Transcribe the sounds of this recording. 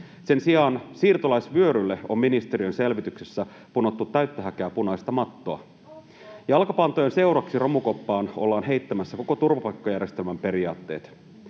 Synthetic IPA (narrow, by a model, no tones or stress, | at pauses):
se̞nsijɑːnsiːrt̪olɑjsʋyøɾylːe̞o̞̰mːinist̪e̞ɾiønse̞lʋit̪yksesːæ | puno̞t̪ːut̪ːæɥt̪ːøɦækeæpunɑist̪ɑmɑt̪ːoɑ̰ | jɑlkɑpɑnt̪ojense̞wɾɑksiromuko̞pːɑːno̞̰lːɑːnɦe̞jt̪ːæmæsːæko̞kot̪urʋɑpɑjkːojærje̞st̪e̞lmæmpe̞ɾiɑːt̪ːe̞̰ːt̪